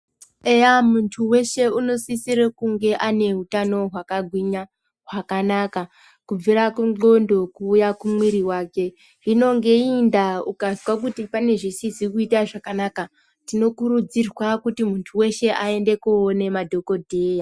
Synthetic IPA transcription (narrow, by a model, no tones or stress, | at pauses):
ejamuntʰuwe̞ʃe̞uno̞sisiɾekuŋɡe̞ʔane̞ɦutano̞ɦwakaɡʱwiɲa | ɦwakanaka | kub͡viɾakuǃo̞ndo̞kuːjakumwiɾiwake̞ | ino̞ŋɡe̞indaukaziwak̬utipane̞ʐisisikuitaʐakanaka | tino̞kurud͡zirwakutimuntʰuwe̞ʃe̞ʔae̞nde̞kuːne̞madʱo̞ko̞dʱeːja